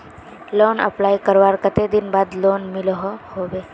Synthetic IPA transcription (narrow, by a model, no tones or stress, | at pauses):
loːnə̰plaːjkəɾʋaːɾkət̪ed̪ɪnbaːd̪loːnmɪlɦɔhoːʋe